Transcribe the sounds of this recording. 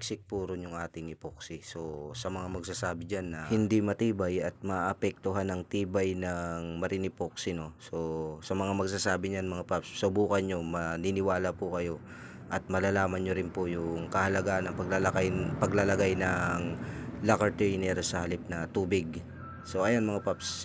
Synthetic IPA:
k̚sɪk̚puɾonjʊŋʔaːt̪ɪŋʔɪpok̚sɪso̞sɐmɐŋamɐɡsaːsaːbɪd͡ʒanːɐhɪnd̪imɐt̪iːbɐjɐt̪̚mɐʔʔɐpɛk̚t̪ʊɦanːɐŋt̪iːbɐjnɐŋmɐɾɪnɪpok̚sɪno̞so̞sɐmɐŋamɐɡ̚s̬aːsaːbɪɲanmɐŋapapssɐbuːkɐnɲo̞mɐninɪwaːlɐpʊkɐjo̞ | ʔɐt̪̚mɐlalaːmɐnɲoɾɪnpojʊŋkɐhɐlɐɡaːʔɐnɐŋpɐɡlɐlɐkanpɐɡlɐlɐɡajnɐŋlakɐt̪ɛjnɛɾosɐhɐlɪp̚nɐt̪uːbɪɡ̚ | so̞ʔɐjanmɐŋapaps

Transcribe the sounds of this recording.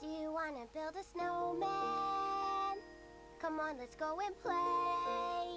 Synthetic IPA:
d̥ɨjɨwɑ̃nɨbɪlˠdəsnoʊmæ | n | kʰʌ̃mə̃nlɛtsɡ̥oʊɪ̃npʰl̥e

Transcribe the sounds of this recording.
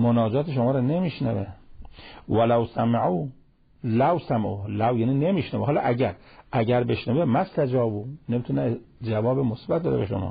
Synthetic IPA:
monɒːd͡ʒɒːt̪eʃ̬omɒːɾɔnemiʃnæve | wælawsæmaʕuː | lawsæmʔuhlæwjæːniːnemiʃnævuɦɒːlɑ̰ʔæɟæɾæɟæɾbeʃnævemæst̪ad͡ʒɒːbunemit̪ʰuned͡ʒævɒːbemosbæt̪̚d̪ɒːɾḛbḛʃo̰mɒ̰ː

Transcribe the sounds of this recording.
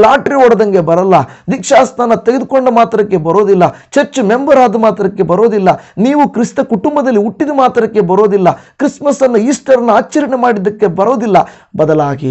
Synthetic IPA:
laːʈɾiɔɽɐd̪ɐŋɡebɐɾɐlːɐd̪ikʂaːst̪ʰaːnɐt̪eɡed̪ukoɳɖɐmaːt̪ɾɐkːe̞bɐɾo̞ːd̪ilːɐ | t͡ʃɐɾt͡ʃumembɐɾaːd̪ɐmaːt̪ɾɐkːe̞bɐɾo̞ːd̪ilːɐniːʋukɾist̪ɐkuʈumbɐd̪ɐlːiuʈːid̪ɐmaːt̪ɾɐkːe̞bɐɾo̞ːd̪ilːɐkɾismɐsɐnːuiːsʈɐɾɐnːuaːt͡ʃːɐɾɐɳemaːɽid̪ːɐkːe̞bɐɾo̞ːd̪ilːɐ | bɐd̪ɐlaːɡḭ

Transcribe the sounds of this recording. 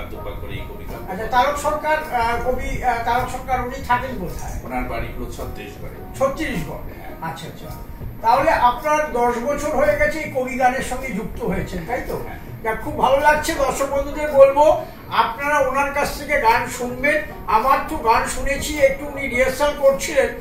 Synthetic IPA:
ad̪uakoɾeḛjkobḭɡa̰nat͡ɕʰat̪aɾot̪ʃɔɾkaɾobit̪aɾot̪ʃɔɾkaɾunit̪ʰakenbot̪ʰa̰eonaɾbaɾḭbuut͡ɕʰɔt̪ːiɾiʃɡɔ̰ɽḛt͡ɕʰot̪ːiɾiʃbɔ̰ɾeaaatːʰa | t̪aɦoleʔapnaɾd̪ɔʃbɔt͡ɕʰoɾɦoeɡɛt͡ɕʰeejkobiɡaneɾʃɔŋɡed͡ʑukt̪oɦojet͡ɕʰent̪aɦjt̪o | d͡ʑakʰub̚bʱalolaɡ̚t͡ɕʰed̪ɔɾʃok̚bond̪ʱud̪ebolbo | apnaɾaonaɾkat͡ɕʰt̪ʰekeɡanʃunben | amaɾt̪ʰuɡanʃunet͡ɕʰiek̚ʈuuniɾiesalkoɾt͡ɕʰilen

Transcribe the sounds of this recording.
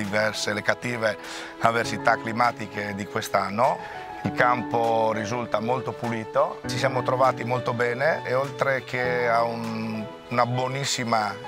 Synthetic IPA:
ivɛrselekat̪ːiːve | aversit̪akːlimaːt̪iked̪ikwest̪anːo | ilkampoɾizult̪amolt̪opuliːt̪ot͡ʃisjaːmot̪ɾovaːt̪imolt̪obɛːneeolt̪ɾek̟eaunː | nabwonisːima

